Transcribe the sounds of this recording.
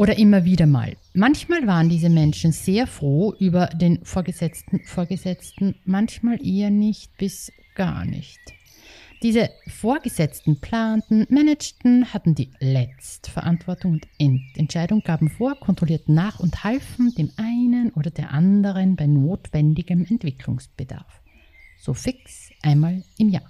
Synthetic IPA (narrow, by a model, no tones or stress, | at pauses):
ʔoːɾɐʔɪmɐviːɾɐma̰ːlmançmaːlvaːʁəndiːzəmɛnʃn̩z̥eːɐfʁ̥oːʔyːbɐdeːnfoːɐɡəzɛt͡stn̩foːɐɡəzɛt͡stn̩mançmaːlʔeːɐnɪçt̚b̥ɪs | ɡ̥a̰ːɐnɪ̰çt | d̥iːzəfoːɐɡəzɛt͡stn̩pl̥aːntn̩mɛnɛt͡ʃtn̩hatn̩diːlɛt͡stə̥fɛɐʔantv̥ɔɐtʊŋʊntʔɛntɛntʃaɪɾʊŋɡ̥aːbm̩foːɐkʰɔntʁ̥oliːɐtn̩naːχʊnthalfn̩deːmʔaɪnənʔoːɾɐdeːɐʔandəʁənbaɪnoːtv̥ɛndɪɡəmɛntv̥ɪkʰlʊ̰ŋsb̥əd̥a̰ɐf | z̥oːfɪks | ʔaɪnmaːlʔɪmja̰ːɐ